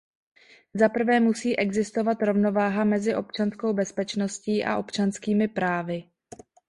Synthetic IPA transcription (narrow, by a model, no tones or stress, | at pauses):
zapr̩vɛːmusiːʔɛɡzɪst̪o̞vat̪ɾo̞vno̞vaːɦamɛzɪʔo̞p̚t͡ʃansko̞wbɛspɛt͡ʃno̞sciːʔa̰ʔo̞pt͡ʃanskiːmɪpɾaːvɪ